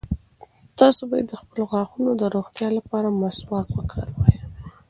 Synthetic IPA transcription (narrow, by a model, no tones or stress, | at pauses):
t̪ɑsobajed̪əxpəloɣwɑxunod̪əɾoɣt̪jɑlapɑɾamaswɑt̪wəkʰəɾwəj